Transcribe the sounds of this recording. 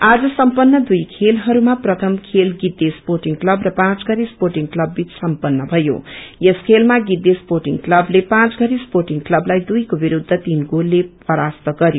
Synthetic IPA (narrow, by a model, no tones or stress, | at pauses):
ad͡zʌsʌmpʌnːʌd̪ujkʰelɦʌɾumaprʌt̪ʰʌmkʰelɡid̪ːesporʈiŋklʌbrʌpãt͡sɡʌɾisporʈiŋklʌbːit͡ssʌmpʌnːʌbʱʌjo̰jʌskʰelmaɡid̪esporʈiŋklʌblepãt͡sɡʱʌɾisporʈiŋklʌblajd̪ujkobiɾud̪ʱːʌt̪inɡolːe | ʌɾast̪ʌɡʌɾjo